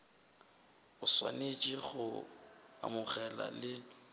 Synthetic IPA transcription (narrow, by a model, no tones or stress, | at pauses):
ʊswa̰net͡ʃʼiɣʊ | a̰mʊχɛla̰lɪ